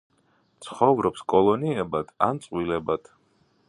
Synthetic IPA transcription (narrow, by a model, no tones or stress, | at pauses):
t̪sʰχɔvɾɔpskʼɔlˠɔniɛbad̪ʰant̪sʼwilɛbat̪ʰ